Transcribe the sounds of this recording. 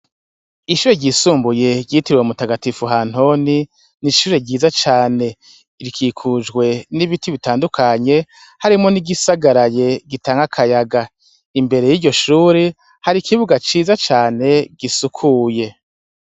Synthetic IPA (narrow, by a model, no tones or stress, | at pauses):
iʃuːɾeɟiːsuːmbuje̞ɟɟiːtiɾiweumutaɡatifuɦaːn̥ho̞ni | niʃuːɾeɟiːzat͡ʃaːne̞ | iɾikʰiːkʰud͡ʒɡwe̞niβitiβitaːndukʰaɲe̞ | haɾimŋo̞niɡisaɡaɾaje̞ɡitaːŋɡakʰajaɡa | imbe̞ɾe̞jiːɟo̞ʃuːɾe | haɾikʰiβuɡat͡ʃiːzat͡ʃaːne̞ɡ̥isukʰuːje̞